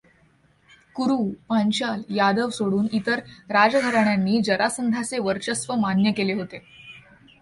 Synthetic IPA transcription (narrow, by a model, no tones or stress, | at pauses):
kuɾupaɲt͡ɕaljad̪əʋsoɽuːnit̪əɾɾad͡zɡʱəɾaɳjanːiːd͡ʑəɾasənd̪ʱat͡seʋəɾt͡ɕəsʋəmanjəkeleɦot̪e